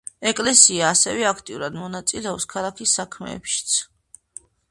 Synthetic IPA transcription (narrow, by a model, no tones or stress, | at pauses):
ɛkʼlɛsiaːsɛvɛakʰt̪ʼiuɾad̪mɔnat̪sʼilɛɔpskʰalˠakʰisːakʰmɛ̰ːpʃi̥t̪sʰ